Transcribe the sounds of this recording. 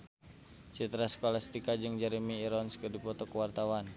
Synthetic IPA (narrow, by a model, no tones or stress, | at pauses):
t͡ʃit̪ɾaskɔlast̪ikad͡ʒɨŋd͡ʒaɾimiːɾɔnskərdipɔt̪ɔkəwart̪awan